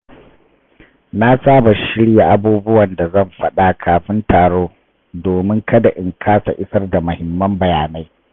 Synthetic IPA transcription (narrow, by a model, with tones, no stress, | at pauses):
na˦saː˦ba˨ʃɪ˦ɽja˨ʔa˦buː˦bʊ˦wɐ˨nda˨zɐ˦˨mɸɐ˦ɗa˨kʰaː˨ɸɪ˦ntaː˨ɽoː˦ | doː˨mɪ˦ŋkɐ˦da˨ʔɪ˨ŋkʰaː˦sa̰˨ʔɪ˦sɐ˦rda˨mʊ˨hɪ˨mːɐ˦mbɐ˨jaː˨na˦j